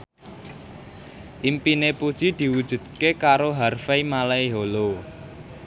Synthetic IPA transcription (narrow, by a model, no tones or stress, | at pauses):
ʔimpinepud̥ʒ̥i̤d̪̥i̤wud̥ʒ̥ṳd̪̥̚kekaɾoɦarfeimalaiɦolo